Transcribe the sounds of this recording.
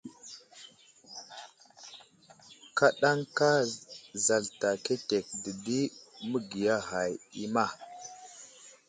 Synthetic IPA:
ka˦ɗa˦ŋka˦za˨lta˨ke˦te˨k̚də˨di˦mə˦ɡi˨ja˦ɦa˨ji˦ma˦˨

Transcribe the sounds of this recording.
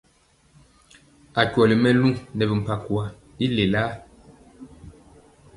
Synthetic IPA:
a˨kwɔ˨li˨mɛ˦˨lu˦nɛ˨bi˨m̩˨pa˨kwa˨ | i˦le˨laː˦

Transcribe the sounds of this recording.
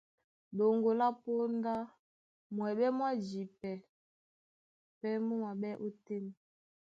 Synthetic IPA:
ɗo˨ŋɡo˨la˦po˦nda˦ | mwɛ˨ɓɛ˦mwa˦d͡ʒi˨pɛ˨ | pɛ˦mu˦ma˨ɓɛ˦ʔo˦te˦ni˨

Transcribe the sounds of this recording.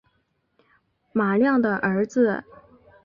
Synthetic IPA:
ma˨˩ljɑ˥˩ŋd̪ə˩ʔə˧˥d͡zɹ̩˧

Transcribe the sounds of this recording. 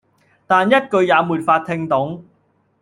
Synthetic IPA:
t̪aː˨njɐ˥t̚kɵ˧ɥjaː˨˧muː˨˩tfaː˧t̚t̪ʰɪ˧ŋt̪ʊ˨˥ŋ

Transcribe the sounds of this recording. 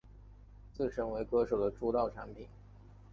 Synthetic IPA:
t͡sɹ̩˥˩ʂə˥ŋwe˧˥ɪkɤ˥ʂo˨˩ʊd̪ə˦ʈ͡ʂu˥˧t̪ɑ˥˩ʊʈ͡ʂʰa˧˥npʰi˨˩˦n

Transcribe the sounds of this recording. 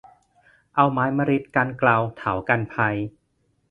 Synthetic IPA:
ʔa˧wmaː˦˥jma˧ɾi˦˥t̪̚ka˧nkla˧wt̪ʰaː˩˦wka˧npʰa˧j

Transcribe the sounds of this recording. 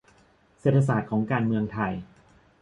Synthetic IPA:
seː˨˩t̪ʰːa˧s̬aː˨˩t̪̚kʰɔː˩˦ŋkaː˧nmɯ˧əŋt̪ʰa˧j

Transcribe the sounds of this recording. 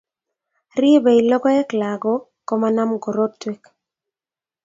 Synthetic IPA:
ri˦be˨i˨lɔ˦ɡɔ˦ɛ˦kla˨ɡɔ˦ | kɔ˦ma˦na˦mɡɔ˨ɾo˦tːwe˦k

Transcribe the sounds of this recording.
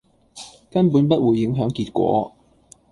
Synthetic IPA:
kɐ˥npuː˨˥npɐ˥t̚wuː˨˧jːɪ˨˥ŋɦœː˨˥ŋkiː˧t̚kʷwɔ̰ː˨˥

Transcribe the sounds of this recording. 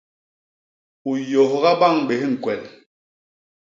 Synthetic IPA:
u˨jo˨hɣa˦ɓa˦˨ŋɓe˨hŋ̩˨kwɛ˨l

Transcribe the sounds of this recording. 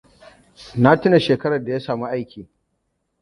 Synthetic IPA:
na˦tɪ˦na˨ʃeː˨kɐ˦ɽɐ˨da˨jaː˦saː˨mu˦ʔa˦jkʲiː˨

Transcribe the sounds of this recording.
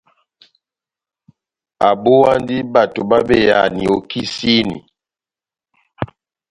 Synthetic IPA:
a˨bo˦wa˦n˦di˦ba˨to˨ba˦be˦˨ja̰˨ni˨o˨ki˦si˦nḭ˨

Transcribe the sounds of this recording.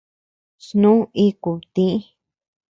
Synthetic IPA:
snũ˦i˦ku˨t̪ĩ˦ʔ

